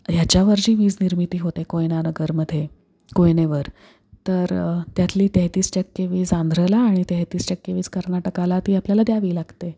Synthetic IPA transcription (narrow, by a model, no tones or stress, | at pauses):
jat͡ɕjaʋəɾɕiːʋiːd͡zniɾmit̪iːɦot̪ekojnanəɡəɾməd̪ʱːje | kojneʋəɾ | t̪əɾt̪jat̪liːt̪ɛɦt̪iːsʈəkːeʋiːd͡zand̪ʱɾəlaːɽ̃it̪ɛɦt̪iːsʈəkːeʋiːt͡skəɾnaʈəkalat̪iːapljalad̪jaʋiːlaɡt̪e